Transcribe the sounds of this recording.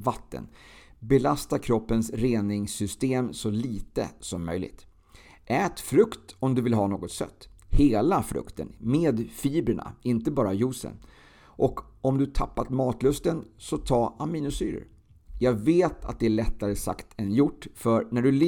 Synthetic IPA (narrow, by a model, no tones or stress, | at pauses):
vat̪ːə̰nbɛlast̪aɾkʰɾɔpːənsɾeːnɪŋsʏst̪eːmsɔliːt̪ə̰sɔmːœ̰jlɪ̰ɡt̪ | ʔɛːt̪fɾɵkt̪ɔmd̪ɵvɪlɦɑːnoːɡɔt̪sœ̰t̪ː | heːlafɾɵ̰kt̪ə̰nmeːd̪fiːbɾəɳa̰ɪnt̪əbɑːɾajuːsə̰n | ʔɔkɔmd̪ɵt̪ʰapːat̪mɑːt̪lɵst̪ənsɔt̪ʰɑːaminʊsyːɾə̰ɾ | jɑːɡveːt̪ʰa̰t̪̚d̪ɛæɭɛt̪ːaɾəsa̰kt̪ʰɛnjʊʈːfœɾnæɖɵl